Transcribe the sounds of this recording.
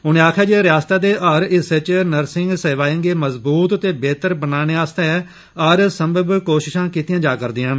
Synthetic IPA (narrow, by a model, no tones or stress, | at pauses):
ʊnẽːaːkʰjaːd͡ʒeɾɪjaːst̪aːd̪eːʔəɾɪsɪt͡ʃnəɾsɪŋɡseːʋaːjə̃ŋɡeːməzbuːt̪ət̪eːbeːt̪əɾbənaːneːaːst̪ɛɛ | əɾsəmbəbkoːʃɪʃãːkiːt̪ijãːd͡ʒaːkəɾd̪iːãːn